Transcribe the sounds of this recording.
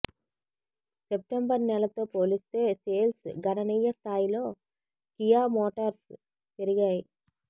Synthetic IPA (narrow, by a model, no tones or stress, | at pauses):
sep̚ʈembɐɾnɛlɐt̪o̞ːpoːlist̪e̞ːse̞ːlsɡɐnɐnijːɐst̪ʰaːjilo̞ː | kijaːmoːʈɐɾs | t̪eɾiɡaːji